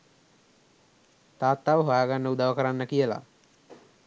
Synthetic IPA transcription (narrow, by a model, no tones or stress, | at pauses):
t̪aːt̪ːaʋəɦojaːɡanːəud̪aʋəkəɾanːəkijəla̰